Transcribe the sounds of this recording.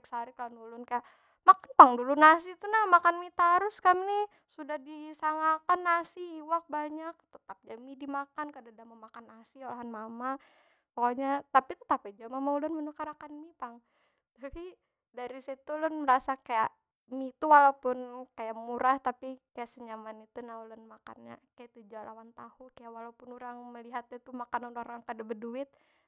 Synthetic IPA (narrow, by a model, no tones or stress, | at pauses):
ksaɾiklnulʊnkajaʔ | makanpaŋdulʊnas̬it̪unahmakanmit̪aɾʊskamni | sudahdisaŋakanːasiiwak̚baɲak̚t̪ət̪ap̚d͡ʒamidimakankadadamamakanːasiolaɦanmama | pokaɲat̪apit̪ə̥t̪apad͡ʒamamaulʊnmənukaɾakanmipaŋ | d̪api | daɾisit̪ulʊnməɾasakajaʔ | mit̪uwalaupʊnkajaʔmuɾaht̪apikajaʔsəɲamanit̪unaulʊnmaka̰nɲa̰kajaʔt̪ud͡ʒala̰want̪ahukajaʔwalaupʊnuɾaŋməliɦat̪̚ɲat̪umakanunoɾaŋkadabəduɪt̪̚